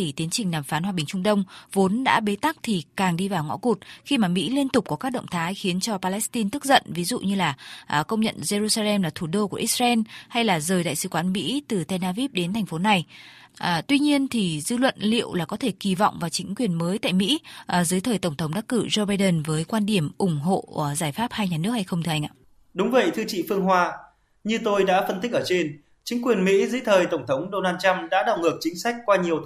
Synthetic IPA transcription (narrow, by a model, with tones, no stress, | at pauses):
i˨˩t̪i˨˦ənt͡ɕï˨˩ŋ̟naː˨˩mfaː˨˦nhwa˧ɓï˨˩ŋ̟t͡ɕʊ˧ŋ͡mt̪ə˧wŋ͡mvo˨˦nɗa̰ː˧˥ɓe˨˦t̪a˦˥k̚t̪ʰi˨˩kaː˨˩ŋɗi˧vaː˨˩wŋɔ̰˧˥ku˨˩t̚xi˧maː˨˩mḭ˧˥li˧ənt̪ʊ˨˩k͡p̚kɔ˨˦kaː˦˥k̚ɗə̰˧˨wŋ͡mt̪ʰaː˨˦jxi˨˦ənt͡ɕɔ˧paː˧lɛ˦˥st̪i˧nt̪ɨ˦˥k̚zə̰˧˨nvi˨˦zṵ˧˨ɲɨ˧laː˨˩˨kə˧wŋ͡mɲə̰˧˨nze˧zu˧saː˧lɛ˧mlaː˨˩t̪ʰu˧˩ɗo˧ku˧˩əʔi˦˥s̚za˧ɛ˧mha˧jlaː˨˩zəː˨˩jɗa̰ː˧˨jsɨ˨˦kwaː˨˦nmḭ˧˥t̪ɨ˨˩t̪ɛ˧naː˧vi˦˥p̚ɗe˨˦nt̪ʰɛ˨˩ŋ̟fo˨˦na˨˩j | t̪wi˧ɲi˧ənt̪ʰi˨˩zɨ˧lwə̰˧˨nlḭ˧˨əwlaː˨˩kɔ˨˦t̪ʰe˧˩ki˧˩vɔ̰˧˨wŋ͡mvaː˨˩wt͡ɕï˨˦ŋ̟kwi˨˩ənməː˨˦jt̪a̰ː˧˨jmḭ˧˥˨zɨ˨˦jt̪ʰəː˨˩jt̪ə˧˩wŋ͡mt̪ʰwŋ͡mɗa˦˥k̚kɨ˧˩zo˧ɓaː˧jɗə˧˩nvəː˨˦jkwaː˧nɗi˧˩əmʔʊ˧˩ŋ͡mɦo̰˧˨zaː˧˩jfaː˦˥p̚haː˧jɲaː˨˩nɨ˦˥ək̚ha˧jxə˧wŋ͡mt̪ʰɨ˧ʔa˧jʔa̰ː˧ | ɗʊ˨˦ŋ͡mvə̰˧˨jt̪ʰɨ˧t͡ɕḭ˧˨fɨ˧əŋɦwaː˧ | ɲɨ˧t̪o˧jɗa̰ː˧˥fə˧nt̪i˦˥k̚ʔəː˧˩t͡ɕe˧n | t͡ɕï˨˦ŋ̟kwi˨˩ənmḭ˧˥zɨ̰˧˦t̪ʰəː˨˩jt̪ə˧˩wŋ͡mt̪ʰə˨˦wŋ͡mɗo˧naː˧nt͡ɕa˧mɗa̰ː˧˥ɗa˨˩wŋɨ˨˩ək̚t͡ɕï˨˦ŋ̟sa˦˥k̟̚kwaː˧ɲi˨˩əw